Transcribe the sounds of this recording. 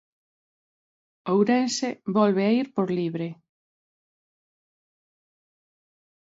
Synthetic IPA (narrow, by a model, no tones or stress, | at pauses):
owɾensebɔlβeaiɾpoɾliβɾe